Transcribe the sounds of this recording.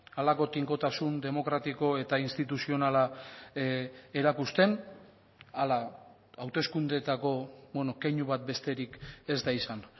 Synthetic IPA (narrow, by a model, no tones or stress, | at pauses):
alako̞t̪iŋko̞t̪asund̪e̞mo̞kɾat̪iko̞e̞t̪ainst̪it̪̬usio̞nala | e̞ɾakust̪e̞n | ala | awt̪e̞skund̪et̪ako̞bwonokeɲuβat̪̚be̞st̪e̞ɾike̞zd̪aisan